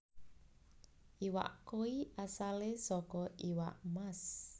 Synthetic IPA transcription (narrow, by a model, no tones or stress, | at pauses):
ʔiwa̰ʔkoiʔasalesɔkɔʔiwa̰ʔmas